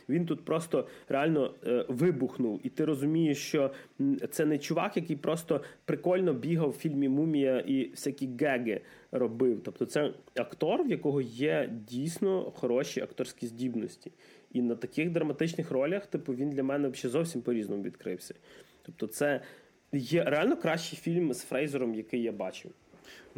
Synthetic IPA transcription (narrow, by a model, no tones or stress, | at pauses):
ʋʲint̪ut̪pɾɔst̪ɔɾʔealʲnɔʋɪbʊxnʊwit̪ɪɾɔzʊmʲijeʃt͡ʃɔt̪sɛnɛt͡ʃʊʋɑ̰kjɐkɪjpɾɔst̪ɔpɾɪkɔlʲnɔbʲiɦɐwfʲilʲmʲimumʲijɐʔiwsʲakʲiɡɛɡɪ | ɾɔbɪwt̪ɔp̚t̪ɔt̪sɛɐkt̪ɔrwjɐkɔɦɔjɛdʲijsʲnɔxɔɾɔʃiɐkt̪ɔrsʲkʲizʲdʲibnɔsʲtʲi̥ | inɐt̪ɐkɪxd̪ɾɐmɐt̪ɪt͡ʃnɪxɾɔlʲɐxt̪ɪpʊʋʲind̪lʲɐmɛnɛɐʃt͡ʃɛzɔwsʲimpɔɾʲiznɔmɔʋʲid̪kɾɪwsʲɐ̥t̪ɔp̚t̪ɔt̪sɛ | jɛɾealʲnɔkɾɑʃt͡ʃɪjfʲilʲmz̥fɾɛjzɔɾɔmjɐkɪjːabɑ̰t͡ʃɪw